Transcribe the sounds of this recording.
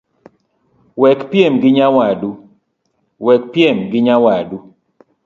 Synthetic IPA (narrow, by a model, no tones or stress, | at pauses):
wɛkpjemɡɪɲawadu | wɛk̚pjemɡɪɲawadu